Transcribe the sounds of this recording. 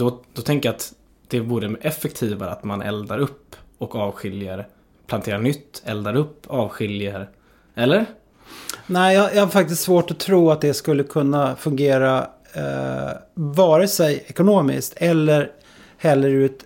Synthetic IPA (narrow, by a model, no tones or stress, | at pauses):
d̪ɔd̪ɔt̪ʰɛŋkəjat̪ | d̪̥ɛvuːɾəɛfːɛkt̪ʰiːvaɾə̰a̰t̪manʔɛ̰ld̪aɾɵpːɔkɑːvɧɪljaɾə | pʰlant̪ʰeːɾanʏt̪ːɛld̪aɾɵpːɑːvɧɪljaɾ | ɛlːəɾ | næɪjɑjɑhaɾfak̚t̪ɪst̪svoːʈɔt̪ʰɾuːat̪̚d̪ɛskɵlːəkʰɵnːafɵŋɡeːɾa | vɑːɾəsɛjɛkʊnoːmɪ̰skt̪ʰɛlːəɾ | hɛlːəɾʉ̟ːt̪